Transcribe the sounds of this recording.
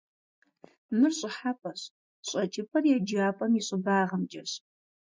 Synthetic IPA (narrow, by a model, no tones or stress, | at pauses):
mɨrɕʼɪħapʰʼɐɕ | ɕʼɐt͡ʃʼɪpʰɐrjɛd͡ʒaːpʼɐmiɕʼɪbaːʁəmd͡ʒʼɐɕ